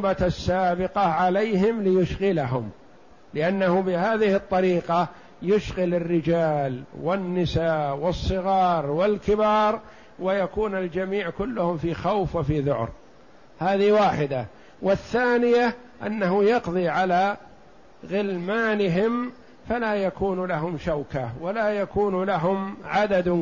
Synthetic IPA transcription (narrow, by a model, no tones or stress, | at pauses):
baasːaːbɪqɑʕalajɦɪmlɪjʊʃɣɪlaɦʊm | lɪʔanːahubɪhaːðɪhɨt̪ˤːɑɾiːqɑ | jʊʃɣɪlɪrːɪd͡ʒaːlwɪnːɪsaːʔwɨsˤːɨɣɑːɾˤwɪlkɪbɑːɾˤ | wɪjakuːnald͡ʒamiːʕkʊlːʊhʊmfixawfwɪfiðʊ̰ʕ̰ɾ | haːðiwaːħɪd̪a | wɪθːaːnɪja | ʔa̰nːaɦʊjɑqðˤiʕalaː | ɣɪlmaːnɪɦɪm | falaːjakuːnlaɦʊmʃawkawalaːjakuːnlaɦʊmʕad̪ad̪